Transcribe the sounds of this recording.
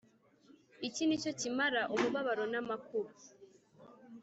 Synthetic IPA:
icinicocimaɾaʔumuβaβaɾonamakuɾu

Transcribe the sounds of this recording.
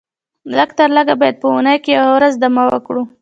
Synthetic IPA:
ləɡt̪əɾləɡabɑjad̪̚pəunəjkejawawɾazd̪amawə̰kɽu

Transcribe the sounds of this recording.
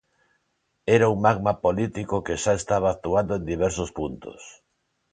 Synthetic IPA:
ɛɾauŋmaɣmapolit̪ikokeʃaest̪aβ̞aːkt̪uand̪oẽnd̪iβɛɾsospunt̪o̰s

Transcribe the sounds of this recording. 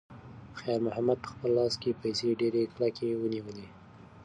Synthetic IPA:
xajɑɾmʊhamad̪̚pə̥xpəlːɑskepajseɖeɾeklakewəniwəle

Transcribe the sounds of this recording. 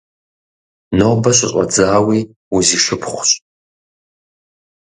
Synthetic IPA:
noːbɐɕʼɪɕʼɐ̰d͡zaːwiː | uziːʂɨpχʷɕʼ

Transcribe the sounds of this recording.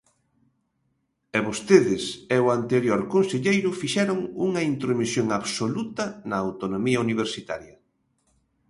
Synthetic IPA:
ɛβost̪eðɪsɛʊant̪eɾjoɾkonseʎejɾʊfiʃɛɾʊŋuŋɐint̪ɾomisjoŋaβsolut̪ɐnɐawt̪onomiɐuniβ̞eɾsit̪a̰ɾjɐ

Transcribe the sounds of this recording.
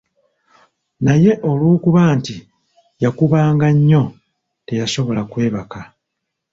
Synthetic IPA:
naje̞ʔolwuːkuβaːnti | jakuβaːŋɡaɲːo̞ | te̞jaso̞βo̞lakwe̞ːβaka

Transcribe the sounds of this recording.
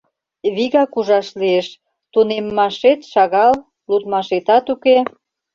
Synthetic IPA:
βiɣɑkuʒɑʃlieʃ | t̪unemːɑʃet̪ʃɑɣɑl | lut̪mɑʃet̪ɑt̪uke

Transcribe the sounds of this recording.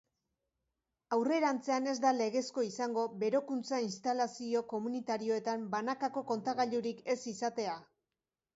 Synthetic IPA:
awre̞ɾant͡se̞ane̞zd̪ale̞ɣ̞e̞sko̞isaŋɡo̞be̞ɾo̞kunt͡sainst̪alasio̞ko̞munit̪aɾio̞e̞t̪ambanakako̞ko̞nt̪aɣaʎuɾike̞sisat̪e̞a

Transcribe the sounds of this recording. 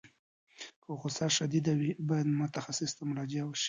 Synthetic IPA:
koxʊsɑʃad̪id̪awibɑjad̪mʊt̪axasɪst̪amʊɾɑd͡ʒijawəʃi̥

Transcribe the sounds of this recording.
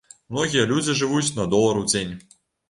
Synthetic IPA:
mnɔɣʲijɐlʲud͡zʲiʐɨvut͡sʲnɐd̪ɔlˠɐɾuwd͡zʲenʲ

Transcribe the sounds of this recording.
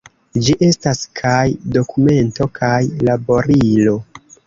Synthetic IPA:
d͡ʒiʔe̞staskʰajdo̞kume̞nto̞kʰajlabo̞ɾilo̞

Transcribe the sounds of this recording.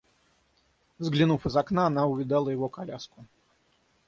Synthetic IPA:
zɡlʲinufɨzaknaːnaʊvʲid̪alˠəjɪvɔkalʲaskʊ

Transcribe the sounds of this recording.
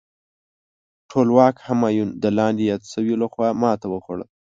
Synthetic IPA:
ʈʰolwɑkhamɑjund̪əlɑnd̪ejɑd̪səwiolaxwɑmɑt̪awəxwaɽə̰l

